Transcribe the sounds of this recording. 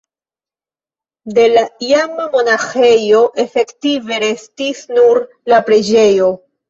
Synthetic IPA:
de̞laiamamo̞naxe̞jo̞ʔe̞fe̞ktive̞ɾe̞stisnuɾ | lapɾe̞d͡ʒe̞jo̞

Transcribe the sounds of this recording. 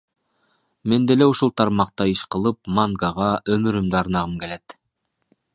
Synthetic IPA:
me̞nd̪eleuʃulˠt̪ʰɑɾmɑqt̪ɑiʃqɯ̆lˠɯpmaŋɡɑʁɑʔømyɾymd̪ɑɾnɑʁɯmkelet̪

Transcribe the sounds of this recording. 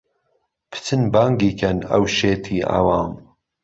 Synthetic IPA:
pʰɨ̥t͡sʰɨnbaːŋɡiːkʰɐnɐ̰wʃeːt̪ʰiːa̰wɑːm

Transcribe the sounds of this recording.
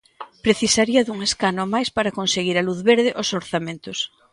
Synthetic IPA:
pɾeθisaɾiɐðuŋeskanomajspaɾakonseɣiɾaluθβeɾðɪʔosoɾθamẽnt̪ʊs

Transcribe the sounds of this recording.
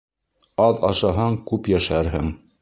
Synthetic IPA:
ɑðɑ̰ʃɑɦɑɴkʉpjæʃæɾɦɘŋ

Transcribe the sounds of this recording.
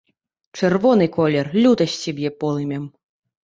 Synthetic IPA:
t͡ʂɛrvɔnɨkɔlʲɛrlʲut̪ɐsʲsʲɛbʲjɛpɔlˠɨmʲɛm

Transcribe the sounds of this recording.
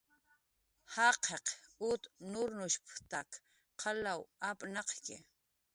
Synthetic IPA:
hɑqʰeqʊt̪nʊɾnʊʃpt̪ak | qʰɑlawapʼnɑqkɪ̰

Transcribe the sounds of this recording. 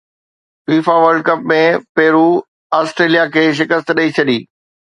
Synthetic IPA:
fiːfaʋəɾɖ̚kɐp̚mẽpɛːɾu | aːsʈɾeːlijakʰeːʃ̬ɪkəst̪ɗɐit͡ɕʰɐɗiː

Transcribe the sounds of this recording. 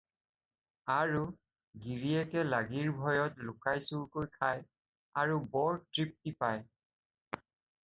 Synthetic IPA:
aɹu | ɡiɹiɛkɛlaɡiɹbʱɔjɔtlʊkajsuɹkoɹjkʰaj | aɹubɔɹtɹip̚tipaj

